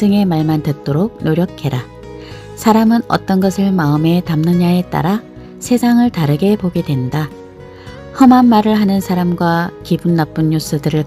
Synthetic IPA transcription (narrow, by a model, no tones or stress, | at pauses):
ɯŋe̞maɭmantɯt̚t͈oɾoɡ̚noɾjʌkʰe̞ɾa | sʰaɾamɯnʌ̰t͈ʌnɡʌsʰɯɭmaɯme̞tamnɯɲae̞t͈a̰ɾa | sʰe̞sʰaŋɯɭtaɾɯɡe̞poɡe̞dwe̞nda | hʌmɦanmaɾɯɭɦanɯnsʰaɾamɡwakibunːap͈ɯnːus͈ɯdɯɾɯɭ